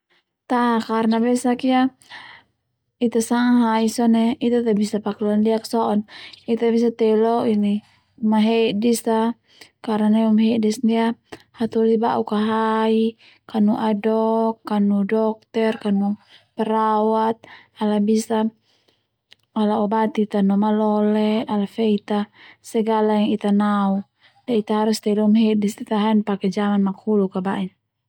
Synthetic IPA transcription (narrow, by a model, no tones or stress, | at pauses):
t̪akarnabɛsakia | it̪asaŋaɦaisɔnɛit̪at̪abisapakluandiaksɔɔnit̪abis̬at̪ɛlɔini | maɦɛʔdisa | karanaumɦɛʔdɛsndiahat̪ulibaʔukaɦai | kanuʔadɔkːanudɔk̚t̪ɛrkanupɛɾawat̪̚alabisa | alaɔbat̪it̪anɔmalɔlɛalafɛit̪asɛɡalajŋit̪anau | dait̪aɦaɾust̪ɛilumɦɛdisit̪aɦainpakɛd͡ʒamanmakhulukabaʔin